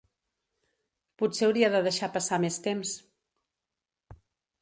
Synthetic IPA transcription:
putsewɾiəðəðəʃapəsamest̪ems

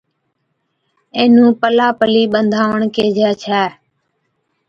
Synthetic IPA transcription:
ẽːnũːpəlaːpəliːɓənd̪ʱaːʋəɳkeːd͡ʒɛːt͡ʃʰɛː

